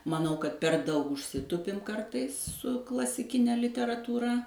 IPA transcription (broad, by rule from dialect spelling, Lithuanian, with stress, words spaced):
mɐˈnɐʊ kɐt pʲɛr ˈdɐʊk ʊʃʲˈsʲɪtʊpʲɪm ˈkɐrtɐɪs sʊ klˠɐsʲɪˈkʲɪnʲɛ lʲɪtʲɛrɐtuːˈrɐ